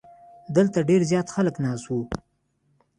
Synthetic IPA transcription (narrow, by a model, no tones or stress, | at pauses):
d̪əlt̪aɖeɾzjɑt̪xaləknɑswu